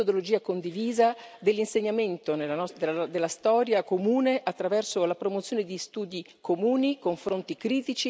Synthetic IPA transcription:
od̪olod͡ʒiːakond̪iviːzad̪elːinseɲːament̪onelanɔd̪elad̪elːast̪ɔːɾjakomuːneʔat̪ːɾavɛrsolapɾomot̪sjoːned̪ist̪uːd̪i | komuːnikoɱfɾont̪ikɾiːt̪it͡ʃi

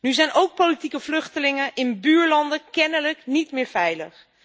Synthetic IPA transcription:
nyzɛjnowk̚politikəvlɵχtəlɪŋəʔɪnbyːɹlɑndəkɛnələknitmɪːɹvɛjləχ

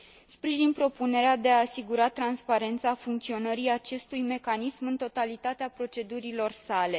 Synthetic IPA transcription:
spɾiʒinpɾo̞pune̞ɾead̪e̞aːsiɡuɾat̪ɾanspaɾe̞nt̪safuŋk̚t̪sio̞nəɾiat͡ʃe̞st̪ujme̞kanismɨnt̪o̞t̪alit̪at̪eapɾo̞t͡ʃe̞d̪uɾilo̞rsale̞

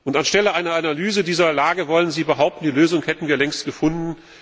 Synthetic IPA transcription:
ʔʊntanʃtɛləʔaɪnɐanalyːzədiːzɐlaːɡəvɔlənziːbəɦaʊp̚tn̩diːløːzʊŋhɛtn̩viːɐlɛŋstɡ̥əfʊndn̩

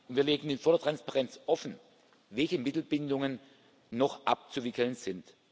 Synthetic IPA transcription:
ʔʊntv̥iːɐleːɡn̩infoːɐdeɐtʁanspaʁɛnt͡sʔɔfn̩ | vɛlçəmɪtl̩bɪndʊŋənː | ɔχʔa̰p̚t͡suvɪkl̩nz̥ɪnt

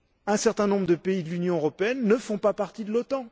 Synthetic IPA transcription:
ɛ̃sɛʁt̪ɛ̃nɔ̃bʁəd̪əpeid̪əlynjɔ̃øʁɔpeɛnːəfɔ̃papaʁt̪id̪əlot̪ɑ̃

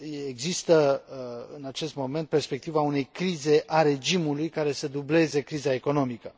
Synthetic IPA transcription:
eɡzist̪ə | ɨ̰nat͡ʃe̞st̪mo̞me̞nt̪̚pe̞rspe̞kt̪ivaune̞jkɾize̞ʔaɾe̞d͡ʒimulujkaɾe̞səd̪uble̞ze̞kɾizae̞ko̞no̞mikə

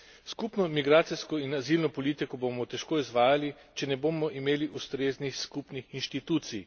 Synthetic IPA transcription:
skupnɔmiɡɾaːt̪sijskɔinazilnɔpɔlit̪ikɔbomɔt̪ɛʃkoːizʋaːjali | t͡ʃɛnɛboːmɔʔimeːliʔust̪ɾeːznixskupnixinʃt̪it̪uːt̪sij

